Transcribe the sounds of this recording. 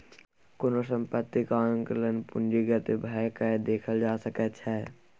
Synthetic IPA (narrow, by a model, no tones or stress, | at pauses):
konosə̃mpət̪ːikaːjə̃ŋkələnpʊɳd͡ʒiɡət̪ebʱaekaed̪eːkʰəld͡ʒaːsəkət͡ʃʰɛ